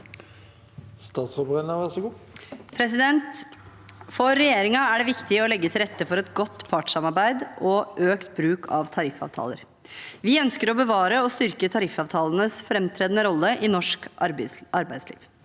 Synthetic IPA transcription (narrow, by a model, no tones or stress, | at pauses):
st̪ɑːt̪sfɔbʁɛnnəʋæʁsɔɡuː | pʰɾɛsɪd̪ɛnt̪ | fɔɾːɛjeːɾɪŋɑæɖɛʋɪkt̪ɪəɔlɛɡːət̪ʰɪlɾɛt̪ːəfɔɾɛt̪ɡɔt̪ːpʰɑʈsɑmɑɾbæɪd̪ʔɔʔøːkt̪bɾʉːkʰɑʋt̪ʰɑɾɪfɑ̰ːʋt̪ʰɑ̰ːlə̰ɾ | ʋɪœnskəɾɔbəʋɑːɾəɔst̪ʏɾkət̪ʰɑɾɪfɑːʋt̪ʰɑːlənəsfɾɛmt̪ʰɾeːd̪ənəɾɔlːəʔɪnɔʂkʔɑɾbæɪd̪slḭːʋ